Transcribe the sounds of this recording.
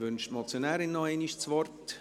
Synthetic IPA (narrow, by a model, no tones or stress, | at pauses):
vʏnʃtmɔt͡sjonɛːɾɪnːɔeːniʃt͡sʋɔrt